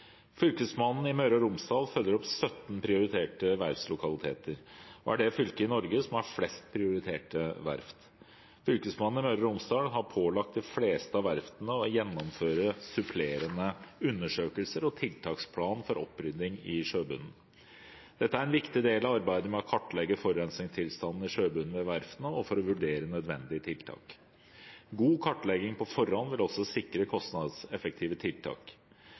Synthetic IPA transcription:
fʏlkəsmɑnn̩ɪmœʏɾɑɾʊmsd̪ɑːlfœlːəɾɔpsœt̪n̩pʰɾɪʊɾɪt̪ʰeːʈəʋæɾfslʊkʰɑlɪt̪ʰḛːt̪ʰəɾɔ̰æ̰ɖɛfʏlkəɪnɔɾɡəsɔmhɑɾflɛst̪̚pʰɾɪʊɾɪt̪ʰeːʈəʋæ̰ɾft̪ | fʏlkəsmɑnn̩ɪmœʏɾɑɾʊmsd̪ɑːlɦɑɾpʰoːlɑk̚t̪̚d̪ɪfleːst̪əɑʋæɾft̪nəɔjɛnːɔmføːɾəsʉpʰleːɾənəʉnːəʂøːkəlsəɾɔt̪ʰɪlt̪ʰɑːkspʰlɑːnfɔɾɔpːɾʏd̪ɪŋɪʂøːbʉnn̩ | d̪̥ɛt̪ːəæɾɛnʋɪkt̪ɪd̪eːlɑʋɑɾbæɪd̪əmɛɔkʰɑʈːlɛɡːəfɔɾːɛnsnɪŋst̪ʰɪlst̪ɑnn̩ɪʂøːbʉnn̩ʋɛʋæɾfnəɔfɔɾɔʋʉɖeːɾənœd̪ʋɛnd̪ɪət̪ʰɪlt̪ʰɑ̰ːk | ɡuːkʰɑʈːlɛɡɪŋpʰɔfɔɾhɔnːʋɪlɔsɔsɪkɾəkʰɔst̪nɑd̪sɛfək̚t̪ʰiːʋət̪ʰɪlt̪ʰɑ̰ːk

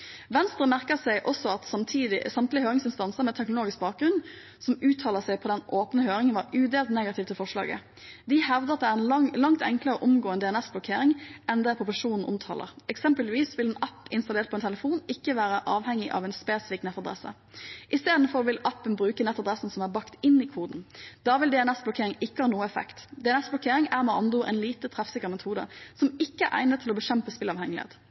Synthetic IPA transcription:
ʋɛnst̪ʁəmæʁkəsæɪʔɔsɔɑt̪sɑmt̪ʰiːd̪ɪsɑmt̪lɪhøːɾɪŋsɪnst̪ɑnsəmɛːt̪ʰɛknʊloːɡɪsk̚bɑːk̚ɡɾʁʉn | sɔmʉːt̪ʰɑːləsɛɪpʰɔd̪ɛnʔoːpnəhøːɾɪŋənʋɑːɾʉːd̪eːlt̪neːɡɑt̪ɪːʋt̪ʰɪlfɔʁʂlɑ̰ːɡə̰ | d̪ɪhɛʋd̪əɑt̪d̪ɛæːʁɛnlɑŋt̪ɛ̰ŋkləʁəɔʔʊmɡoːɛnd̪ɛɛnɛsblʊkʰeːɾɪŋɛnd̪ɛpʰʊpʊʂuːnn̩ʔʊ̰mt̪ʰɑ̰ːlə̰ʁɛksɛmpəlʋiːsʋɪlɛnæpːɪnst̪ɑleːɾt̪̚ʰɔɛnt̪ʰɛləfuːnɪkːəʋæːɾəʔɑːʋhɛŋːɪʔɑ̰ʋɛːnspeːsɪfɪknɛt̪ːɑd̪ɾɛ̰sə̰ | ʔɪst̪eːd̪n̩fɔɾɔʋɪlæpːənbɾʉːkənɛt̪ːɑd̪ɾɛsn̩sɔmæbɑkt̪ɪnːikʰuːd̪n̩d̪̥ɑːʋɪld̪ɛɛnɛsblʊkʰeːɾɪŋɪkːəhɑːnuːəɛfɛ̰kt̪d̪ɛɛnɛsblʊkʰeːɾɪŋæːɾmɛɑnd̪uɾɛ̰nliːt̪ət̪ʰʁɛfsɪkːəɾmɛt̪ʰuːd̪ə̰sɔmɪkːəæɾʔæ̰ɪnət̪ʰːɪlɔbəʃɛmpəspɪlɑʋhɛŋəlɪḛːt̪

